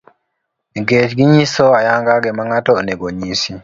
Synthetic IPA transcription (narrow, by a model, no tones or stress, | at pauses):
iɡeːt͡ʃɡiɲisɔajaŋɡaɡɛmaŋatɔnɛɡoɲiːsi